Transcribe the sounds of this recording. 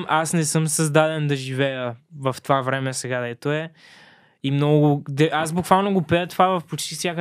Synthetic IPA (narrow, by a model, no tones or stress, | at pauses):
ʔasnɛsɤmsəzd̪ad̪ɛnd̪ɐʒivɛjəvɐft̪ovavɾɛmɛsɛɡad̪ɛt̪oɛ | imnɔɡʊɡʊd̪ɛʔazbʊkvalˠnoɡopɛjət̪ovavɐfpot͡ʃt̪isʲjakə